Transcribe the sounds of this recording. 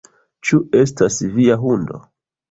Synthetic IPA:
t͡ʃue̞stasviaɦundo̞̰

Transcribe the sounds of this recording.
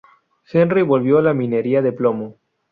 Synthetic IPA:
senriβo̞lβjoalamĩne̞ɾiaðeplomo

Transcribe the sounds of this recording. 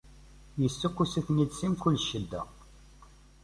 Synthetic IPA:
jəsːukːusæθnid̪simkʊlːʃːəd̪ːæ̰

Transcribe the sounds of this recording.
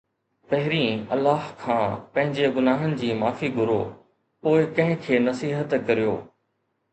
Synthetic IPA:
pɐɦɪɾĩːɐlːaːɦkʰãːpɐ̃ɦɪ̃ɲd͡ʑeɡʊnaːɦənɪ̆d͡ʑiːmaːfiɡʱʊɾo̰ː | poːɪkɐ̃ɦɪ̃kʰeːnɐsiːɦət̪kɐɾijo̰ː

